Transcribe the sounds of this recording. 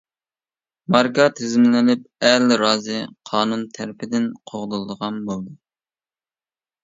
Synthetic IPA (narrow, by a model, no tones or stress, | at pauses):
mɑɾkɑt̪ʰɪzmlɪnɪp̚ælɾɑːzɨqʰɑːnunt̪ʰæɾpʰɪd̪ɪnqʰoʁlˠɨlˠɨd̪əʁɑnbolˠd̪u